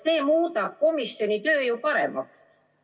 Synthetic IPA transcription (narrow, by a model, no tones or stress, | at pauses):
seimuːt̪ɑkomisːjonʲit̪øːjopɑɾḛmːɑ̰ks